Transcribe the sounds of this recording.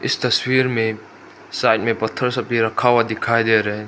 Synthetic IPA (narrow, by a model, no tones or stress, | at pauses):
ɪst̪əswiɾmẽ | sajʈ̚mẽpət̪ʰːəɾsapiɾəkʰawad̪ikʰaːjd̪eɾɛ